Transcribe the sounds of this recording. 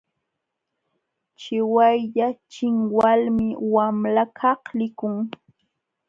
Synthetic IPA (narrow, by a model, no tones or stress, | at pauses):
t͡ʃɪwajʎat͡ʃɪŋwalmɪwamlakʰɑhlɪkʊŋ